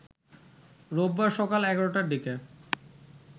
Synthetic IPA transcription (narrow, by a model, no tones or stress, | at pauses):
ɾobːaʃɔkalɛɡaɾoʈaɖike